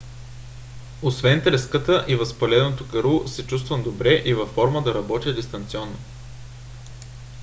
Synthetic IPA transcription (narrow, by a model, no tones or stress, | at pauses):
osvɛnt̪ɾɛskət̪əʔivɐspɐlʲɛd̪not̪oɡɐɾusɛt͡ʃust̪vəmd̪obɾɛʔivɐfːɔɾməd̪ɐɾɐbɔt̪ʲjəd̪ist̪ɐnt̪siɔnːo